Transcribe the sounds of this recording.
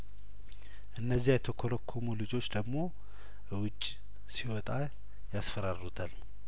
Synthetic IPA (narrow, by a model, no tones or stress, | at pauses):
ʔɨnːəzːiajɛt̪ʰəkʰoləkʰːomulɨd͡ʒo̞t͡ʃːd̪əɡmo̞ | wʊt͡ʃʼː | siwɔt̪ʼa | jasfəɾaɾut̪ʰal